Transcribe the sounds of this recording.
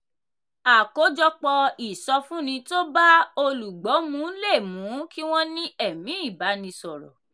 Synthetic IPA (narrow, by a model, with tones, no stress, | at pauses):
a˨ko˨˦d͡ʒɔ˧k͡pɔ˧i˨sɔ˧fũ˦nĩ˧to˦ba˦o˧lu˨ɡ͡bɔ˨˦mũ˨˦le˦˨mũ˨˦ki˦w̃ɔ̃˦nĩ˦ɛ˦˨mĩ˨˦i˦˨ba˨˦nĩ˧sɔ˨ɾɔ̰˨